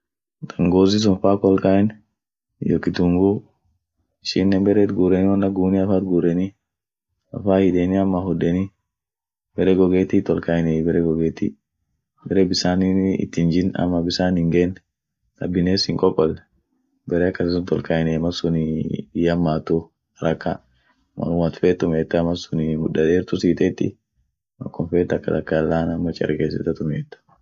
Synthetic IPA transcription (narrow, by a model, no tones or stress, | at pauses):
t̪ɐŋɡoːzis̬ʊnfaːkɔlkaɛn | jɔkːɪt̪ʊŋɡu | ɪʃɪnːɛmbɛɾɛt̪ɡuːɾɛniwɐnːɐɡuːniɐfaːt̪ɡuːɾɛni | ɐ̰faːhɪᶑeniɐmːahʊdɛni | bɛɾɛɡɔɡeːt̪it̪ɔlkaːɪnɛbɛɾɛɡɔɡeːt̪ḭ | bɛɾɛbɪsaːniɪ̰t̪ːɪnd͡ʒɪnɐ̰mːɐbɪsaːnɪŋɡeːn | d̪ɐbːɪneːsɪŋkʼɔkʼːɔlɛ | bɛɾɛɐkːɐsɪsʊnt̪ɔlkaɪnɛmɐsʊnɪjɐmːaːt̪ːʊ | ɐɾɐkːa | mɐ̰nʊwɐt̪feːt̪ːʊmeːt̪ːɐmɐsʊnɪmʊᶑɐdeːɾt̪ʊsiːt̪eːt̪ːɪ̰ | mɐ̰kːɔnfeːt̪ːɐkːɐd̪ɐkːɐlːaːnɐmːɐt͡ʃʼɛ̰ɾɡeːs̬ɛt̪ːɐt̪ʊmet̪ːɐ̥